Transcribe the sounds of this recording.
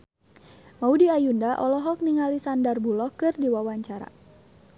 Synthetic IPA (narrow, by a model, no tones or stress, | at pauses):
maudiajundaʔɔlɔɦɔk̚niŋalisandarbulɔkɨrdiwawaɲt͡ʃaɾa̰